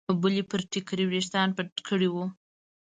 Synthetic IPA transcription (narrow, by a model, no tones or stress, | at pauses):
bulipəɾʈikɾiwɾiʃt̪ɑnpəʈkʰəɽiwu